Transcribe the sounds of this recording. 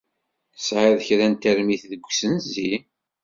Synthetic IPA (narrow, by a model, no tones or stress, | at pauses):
əsʕəðçɾænt̪əɾmiθðəɡʷːsənzi